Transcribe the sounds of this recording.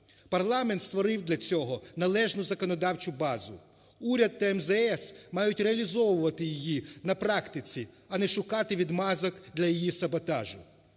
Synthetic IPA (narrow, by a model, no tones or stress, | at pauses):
pɐrlˠɑment̪st̪ʋɔɾɪwd̪lʲɐt͡sʲɔɦɔnɐlˠɛʒnʊzɐkɔnɔd̪ɑwt͡ʃʊbɑzʊ̰ | uɾʲɐd̪̚ːɐɛmzɛɛsmɑjʊtʲreɐlʲizɔʋʊʋɐt̪ɪjijinɐpɾɑkt̪ɪt͡sʲi | ɐnɛʃʊkɑt̪ɪʋʲid̪mɑzɐkd̪lʲɐjijisɐbɔt̪ɑʒʊ